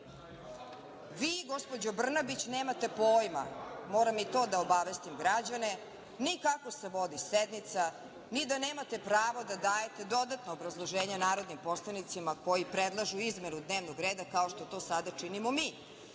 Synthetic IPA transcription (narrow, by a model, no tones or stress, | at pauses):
ʋiːɡo̞spod͡ʑobr̩nabit͡ɕneːmat̪e̞poːjma̰mo̞ːɾamit̪o̞ːd̪aobaʋest̪imɡɾad͡ʑane̞ | nikako̞se̞ʋo̞d̪ised̪nit̪sa | nid̪ane̞ːmat̪e̞pɾaːʋod̪ad̪aːje̞t̪e̞d̪o̞d̪at̪noːbɾazlˠoʒeːɲanaːɾo̞d̪nimpo̞slˠanit̪simako̞jipɾed̪lˠaʒuizme̞nud̪ne̞ːʋnoɡɾeːd̪akao̞ʃt̪o̞t̪o̞ːsad̪at͡ʂinimo̞miː